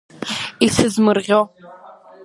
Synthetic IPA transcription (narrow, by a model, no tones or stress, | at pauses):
isɨzmɨrʁʲew